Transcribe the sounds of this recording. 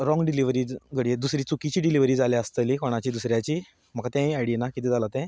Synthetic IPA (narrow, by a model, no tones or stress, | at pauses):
ɾɔ̃ŋɡɖiliʋɾiːd͡zɡəɽied̪usɾiːt͡sukit͡ɕiːɖiliʋɾiːd͡zalɛəst̪əlikoɽ̃at͡ɕiːd̪usɾjat͡ɕiː | m̤əkat̪jãiaɽinakit̪ɛ̃d͡zalat̪ɛ̃